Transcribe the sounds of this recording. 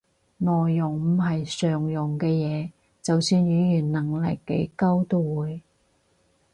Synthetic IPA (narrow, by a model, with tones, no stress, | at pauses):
nɔː˨jːʊ˨˩ŋm̩˨˩ɦɐ˨jsœː˨˩ŋjʊ˨˩ŋkɛː˧jɛː˨˧ | t͡sɐ˨wsyː˧njyː˨˧˥jyː˨˩nnɐ˨˩ŋlɪ̰˨kːe˨˧jkɐ˥wt̪o˥wuː˨˧j